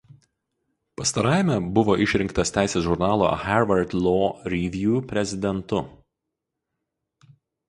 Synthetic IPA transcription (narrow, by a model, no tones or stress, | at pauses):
pɐst̪ɐɾɑˑːɪmʲɛbʊʋoːʔɪʃʲɾʲɪŋkt̪ɐst̪ʲæˑɪsʲeːsʒʊɾnɑːlˠo̰ːxʲæɾʋɐɾt̪lˠoːɾʲiʋʲjuːpʲɾʲɛzʲɪd̪ʲɛnt̪ʊ